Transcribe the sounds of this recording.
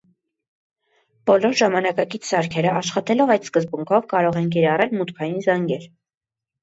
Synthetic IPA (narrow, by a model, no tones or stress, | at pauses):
b̥ɔlɔɾʒɑmɑnɑkɑkit͡sʰsɑɾkʰɛɾəɑʃχɑt̪ɛlɔvɑjd̪skəzbuŋkʰɔvkɑɾɔʁɛnk̬ɛɾɑrɛlmut̪kʰɑjinzɑŋɡɛl